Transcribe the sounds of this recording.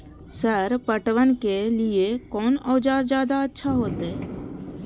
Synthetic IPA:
səɾpəʈʋənkelɪekɔːnɔːd͡ʒaːɾd͡ʒjaːd̪aətːʃʰaɦoːt̪ɦeː

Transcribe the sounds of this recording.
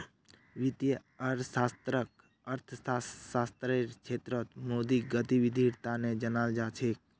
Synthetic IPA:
ʋɪt̪jə | əɾsaːst̪ɾək | əɾt̪ʰssaːst̪ɾeɾkʰeːt̪ɾət̪moːd̪iɡət̪iʋɪd̪ʱiɾt̪aned͡ʒənald͡ʒat͡ʃʰeːk̚

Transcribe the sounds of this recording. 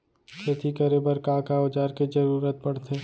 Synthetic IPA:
sɐt̪ʰikəɾebəɾkaːkaːʊd͡ʒaːɾked͡ʒɐɾuːɾət̪̚pɐɽ̤t̪ʰeː

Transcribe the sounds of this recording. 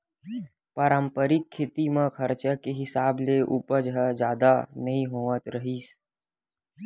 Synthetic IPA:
pəɾə̃mpəɾɪkʰːɪt̪imə̃kʰɐɾt͡ʃəkeɦɪsaːbleʔuːpəd͡ʒɦəd͡ʒaːd̪anɐɦĩɦoːʋət̪ɾəɦiːs

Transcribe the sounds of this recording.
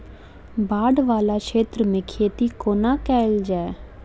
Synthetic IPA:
baːɖʋaːlaːkeːt̪ɾəmẽːkʰeːt̪ikoːnaːkɛːld͡ʒaːe

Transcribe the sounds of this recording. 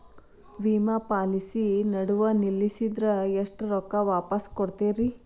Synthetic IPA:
ʋiːmapaːlisinɐɽuʋɐnilːisid̪ɾɐeʂʈɾɔkːɐʋaːpɐskoɽt̪eːɾi

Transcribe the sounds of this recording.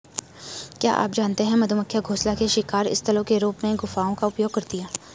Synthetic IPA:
kja̰ːʔa̰ːpd͡ʒaːnt̪eɦɛ̃mɐd̪ʱuməkʰːjaɡʱoːslakeʃɪkaːɾɪ̰st̪ɐlõkeɾuːpmẽɡʊfaːõkaʊpjoːɡ̚kɐɾt̪ijaː

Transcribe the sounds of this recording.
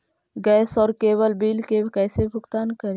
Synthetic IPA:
ɡɛːsɔːɾkeːwəlbiːlkekɛːsebʱʊɡt̪aːnkəɾeː

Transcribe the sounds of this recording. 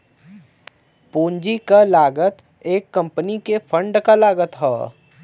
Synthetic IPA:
puːɲd͡ʒikalaːɡət̪ | eːkːɐ̃mpənikefʰə̃ɳɖkalaːɡət̪ɦɛ̰ː

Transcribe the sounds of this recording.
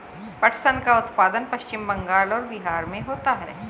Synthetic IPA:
pɐʈʰsənkaʊt̪paːd̪ənpɐʃt͡ʃɪmbɐ̃ŋɡaːlɔːɾbiɦaːɾmẽɦoːt̪aɦɛ̰ː

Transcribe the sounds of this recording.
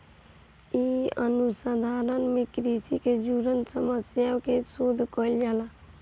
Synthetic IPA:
iənusad̪ʱaːɾənmẽkɾiːsiked͡ʒuɾənsəməsjakesoːd̪ʱkɔld͡ʒaːla

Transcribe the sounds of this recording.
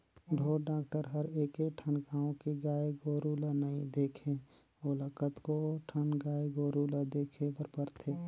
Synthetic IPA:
ɖʱoːɖaːkʈəɾɦəɾeːkeʈʰənkaːõkiɡaːjeɡoːɾulanəĩd̪eːkʰe | oləkət̪koʈʰənɡaːjɡoːɾulad̪eːkʰebəɾpəɾt̪ʰeː

